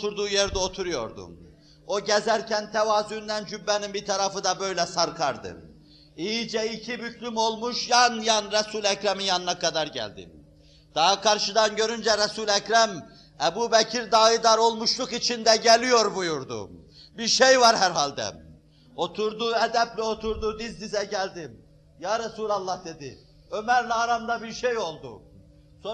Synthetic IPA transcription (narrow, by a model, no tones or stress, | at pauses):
t̪ʰuɾd̪uːjɛɾd̪ɛo̞t̪ʰuɾujo̞̰ɾd̪ṵ | o̞ɟɛzæɾcʰænt̪ʰɛvaːzynd̪ænd͡ʒybːɛninbit̪ʰɑɾɑfɯd̪ɑbø̞jlʲɛsɑɾkʰɑɾd̪ɯ̰ | ijid͡ʒɛicʰibyt̪ʰlʲymo̞lˠmuʃjɑnjanɾɛsuːlʲæcɾæminjɑnɯnakʰɑd̪ɑɾɟæ̰lʲd̪ḭ | d̪̥ɑɦakʰɑɾʃɯd̪ɑnɟø̞ɾynd͡ʒɛɾɛsulʲæcɾæm | ɛbubɛcʰiɾd̪ɑːid̪ɑɾo̞lˠmuʃlˠukit͡ʃʰind̪æɟelʲijo̞ɾbujuɾd̪ṵ | biɾʃejvɑɾhæɾɦalʲd̪ɛ̰ | o̞t̪ʰuɾd̪uɛd̪æblʲɛo̞t̪ʰuɾd̪ud̪izd̪izɛɟælʲd̪im | jaːɾɛsulʲˠɑlˠːɑhd̪e̞d̪i | ø̞mæɾlaɾamd̪ɑbiɾʃejo̞lˠd̪ṵ | so